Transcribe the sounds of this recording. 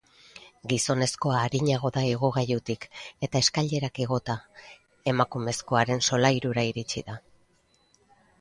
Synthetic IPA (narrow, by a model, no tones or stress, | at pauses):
ɡiso̞ne̞sko̞aːɾiɲaɣ̞o̞ðaiɣ̞oɣ̞ajut̪ike̞t̪ae̞skaʎe̞ɾakeɣo̞t̪a | e̞makume̞sko̞aɾe̞nso̞lajɾuɾaiɾit͡ʃiða